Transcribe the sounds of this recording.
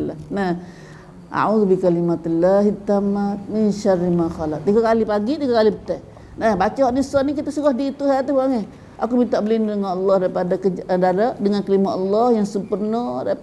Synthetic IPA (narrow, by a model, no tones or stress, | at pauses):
la̰nah | ʔa̰ʕuðubikalimat̪əlːaɦit̪amat̪̚minʃarimaxalak̚t̪iɡakalipaɡit̪iɡakalipət̪ɛh | nahbat͡ʃaɦɔʔnisɔnikit̪asuɡahdiːt̪uɦɛt̪uhaŋeh | ʔakumint̪aʔbəlindəŋanɔlːɔhdaɾipadakəd͡ʒdadaʔdəŋankəlimaɔlːɔhjaŋsəmpərnɔdai